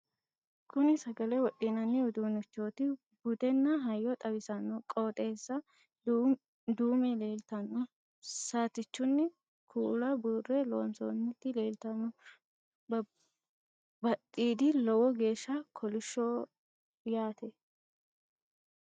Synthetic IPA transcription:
kʰʊnɪsɐɡɐlɛwɔɗɪnɐnːɪʊd̪uːnɪt͡ʃːo̞ːt̪ɪ | bʊd̪ɛnːɐɦɐjːɔt̪ʼɐbɪsɐnːɔkʼoːt̪ʼe̞ːsːɐ | d̪uːmeleːlt̪ɐnːɔ | saːt̪ɪt͡ʃːʊnːɪ | kʰuːlɐbuːrːɛloːnso̰ːnːɪt̪ːɪleːlt̪ɐnːɔ | b | bɐt̪ʼːiːd̪ɪlɔwɔɡe̞ːʃːɐkʰɔlɪʃːo | jaːt̪ɛ

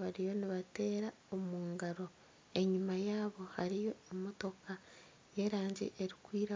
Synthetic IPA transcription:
βaɾijo̞niβate̞ːɾa | omuːŋɡaɾo̞ | e̞ɲimajaːβo̞haɾijo̞ːmoto̞ka | je̞ɾaːɲɟḛʔeɾikwiːɾa

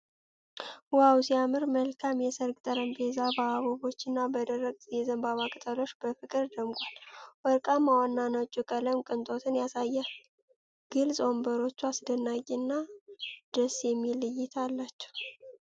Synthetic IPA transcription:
wawsiamɨɾməlkʰamjɛsəɾɡʼt̪ʼəɾəmbezabaaβoβo̞t͡ʃːɨnːabəd̪ərːəɡʼjɛzəmbaβakʼɨt̪ʼəlo̞t͡ʃːbəfɨkʼɨɾd̪əmɡʷʼalwɔɾkʼamːawɔnːanat͡ʃʼːukʼələmkʼɨnt̪ʼo̞t̪ʰɨnjasajːɛ | ɡ̥ɨlzʼo̞mbəɾo̞t͡ʃːuasd̪ənːaɡʼinːad̪̥əsjɛmːilɨjːɪt̪ʰalːat͡ʃːɛ̥w

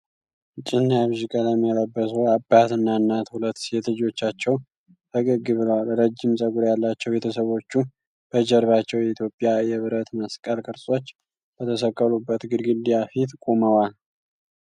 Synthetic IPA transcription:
t͡ʃʼːɪnːjaβʒikʼələmːijɛləbːəsuabːat̪ɨnːaɨnːat̪hulət̪ːset̪ʰd͡ʒo̞t͡ʃːat͡ʃːɛw | t̪ʰəɡʼɨɡɨβɨləwalɾəd͡ʒːɪmsʼəɡuɾjalːat͡ʃːɛwbe̞t̪ʰəsəβo̞t͡ʃːu | b̥əd͡ʒɛɾβat͡ʃːɛwjɛit̪ʰjo̞pʼjajɛβɨɾət̪məskʼəlkʼɨɾsʼo̞t͡ʃː | b̥ət̪ʰəsəkʼːəlubːət̪ɡɨd̪ɡɨd̪ijafit̪kʼoməwal

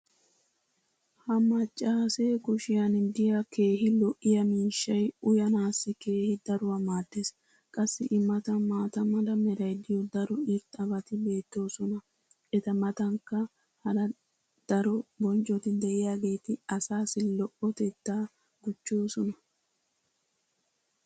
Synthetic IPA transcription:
hɐmɐt͡ʃʼːaːseːkʊʃɪjanɪd̪ɪjɐke̞ːɦɪlɔʔɪjɐmiːʃːɐjʊjɐnaːsːɪke̞ːhɪd̪ɐɾʊwɐmaːd̪ːeːs | kʼɐsːɪʔɪmːɐt̪ɐmaːt̪ɐmɐlɐmɛɾɐjd̪ɪjɔd̪ɐɾɔɪɾt̪ʼɐbɐt̪ɪbe̞ːt̪ːo̞ːsɔnɐ | ɛt̪ɐmɐt̪ɐŋkːɐ | hɐɾɐ | d̪̥ɐɾɔbɔnt͡ʃʼːɔt̪ɪd̪ɛʔɪjaːɡe̞ːt̪ɪɐsaːsɪlɔʔɔt̪ɛt̪ːaː | ɡʊt͡ʃːo̞ːsɔnɐ

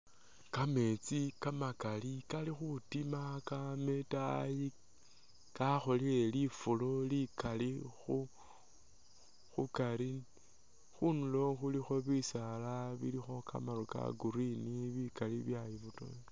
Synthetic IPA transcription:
kame̞t͡sikamakalikalixutimakame̞taji | kaxo̞lile̞lifulo̞likalixu | xukaɾi | xunulo̞xulixo̞βisalaβḭlixo̞ka̰maɾoka̰ɡuɾiniβikaliβjajiβuto̰

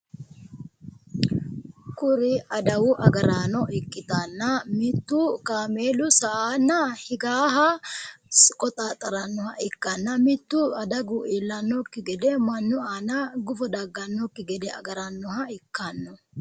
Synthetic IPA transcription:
kʊɾɪʔɐd̪ɐwʊʔɐɡɐɾaːnɔʔɪkʼːɪt̪anːɐmɪt̪ːʊkaːmeːlʊsɐʔaːnːɐhɪɡaːɦɐ | kʼɔt̪ʼaːt̪ʼːɐɾɐnːɔhɐɪkːɐnːɐmɪt̪ːʊɐd̪ɐɡʊʔilːɐnːɔkːɪɡɛd̪ɛmɐnːʊaːnɐɡʊfɔd̪ɐɡːɐnːɔkːɪɡɛd̪ɛɐ̰ɡɐɾɐnːɔɦɐɪkːɐnːɔ

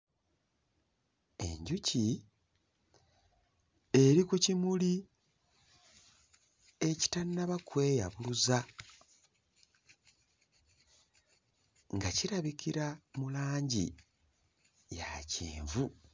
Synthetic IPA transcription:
e̞̰ɲɟuci | e̞ɾikucimuli | e̞ci̥tanːaβakwe̞ːja̰βuluza | ŋɡaciɾaβikiɾamulaːɲɟḭ | jacḭːɱvu

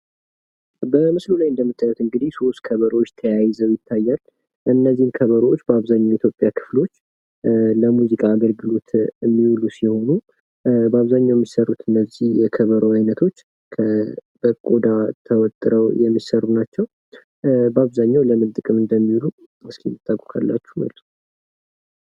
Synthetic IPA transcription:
bəmɨslulajɨnd̪əmːɨt̪ʰʼːajut̪ɨŋɡɨd̪ihso̞st̪kʰəβəɾwot͡ʃːt̪ʰəjajzəwjɪt̪ʰːajːal | ʔɨnːəzːihmkʰəβəɾwot͡ʃːbəaβzaɲːawit̪ʰjo̞pʼjakʰɨ̥flo̞t͡ʃː | ləmuzikʼaːɡəlɡɨlo̞t̪ɨmːiwlusiho̞nu | bəaβzaɲːawjɛmːisərːut̪ɨnːəzihjɛkʰəβəɾəajnət̪ʰo̞t͡ʃː | kʰəb̥əkʼod̪at̪ʰəwɔt̪ʼɾəwjɛmːisərːunat͡ʃːɛw | bəaβzaɲːawləmɨnt̪ʼɨkʼɨmɨnd̪əmːiwlu | ɨskimɨt̪ʼːakʼukʰa̰lːa̰t͡ʃːu̥mə̰lt̪ʼu̥

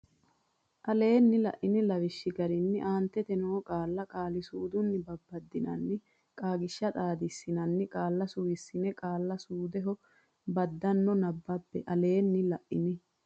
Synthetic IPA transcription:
ʔɐle̞ːnːɪlɐ̰ʔɪnɪlɐʋɪʃːɪɡɐɾɪnːɪʔaːnt̪ːɛt̪ɛnoːkʼaːlːɐkʼaːlɪsuːd̪ʊnːɪbɐbːɐd̪ːɪnɐnːɪ | kʼaːɡɪʃːɐt̪ʼaːd̪ɪsːɪnɐnːɪkʼaːlːɐsʊwɪsːɪnɛkʼaːlːɐsuːd̪ɛɦɔ | bɐd̪ːɐnːɔnɐbːɐbːɛʔɐle̞ːnːɪlɐʔɪnɪ

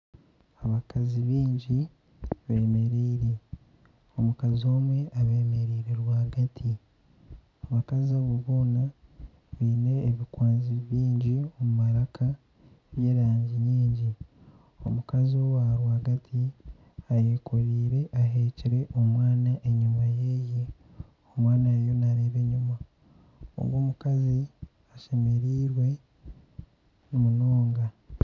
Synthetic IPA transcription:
aβakaziβiːɲɟi | βe̞ːme̞ɾeiɾe | o̞mukazio̞ːmwe̞aβe̞ːme̞ɾeɾeɾwaːɡatʰi | aβakaziaβuβoːna | βiːne̞ːβikwaːnziβjiːɲɟiomumaɾakʰa | βje̞ːɾaːɲɟiɲiːɲɟi | o̞̰mukaziowaɾwaɡatʰi | aje̞koɾiːɾeʔaɦeciɾe̞ʔomwaːnaʔeɲumajeje | omwaːnajo̞naɾeːβe̞ɲuma | o̰ŋɡoːmukazi | aʃe̞me̞ɾiːɾwe̞ | nimuno̞ːŋɡa

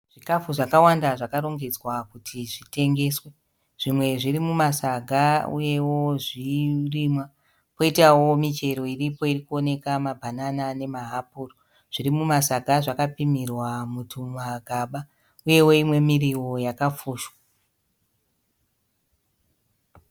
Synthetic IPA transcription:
ʐ̥ikafuʐakawandaʐakaɾo̞ŋɡed͡zwakutʰiʐite̞ŋɡe̞ːswe̞ | ʐ̥imwe̞ʐirimumasaɡʱaṵje̞wo̞ʐirimwa | po̞itawo̞mit͡ʃe̞ɾo̞iripo̞irikuo̞ne̞kamabʱananane̞maɦapuːro | ʐ̥irimumasaɡʱaʐakapimirwamutʰumaɡʱaɓa | uje̞wo̞imwe̞miriwo̞jakafuːʃwa

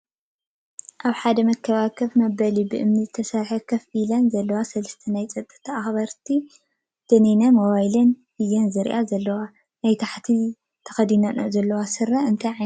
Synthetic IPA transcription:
ʔaβħad̪ɐmɐkʰːɐβakʰɐfmɐbɐlibɨʔɨmnɨzɨt̪ʰɐsɐɾħɐkʰɐfilɐnzɐlːɐwasɐlɐst̪ʰɐnajt͡sʼɐt̪ʼːɨ̥t̪ʰaaxbɐɾt̪ʰi | d̪̥ɐninamoβajlɐn | ɨjɐnzɨɾʔazɐlːɐwa | najt̪ʰaħt̪ʰi | t̪ʰɐ̥xɐd̪inɐno̰zɐlːɐwasɨɾɐɨnt̪ʰɐjʕaj

